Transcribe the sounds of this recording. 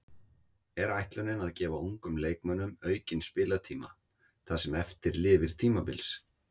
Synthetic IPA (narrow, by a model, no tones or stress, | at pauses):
ɛɾajht̪lœnɪnaðcɛːvauŋkʏmleːjkmœnːʏmœːɥcɪnspɪːlat̪ʰiːma̰ | θasɛmɛft̪ɪɾlɪːvɪɾ̥t̪ʰiːmapɪ̰ls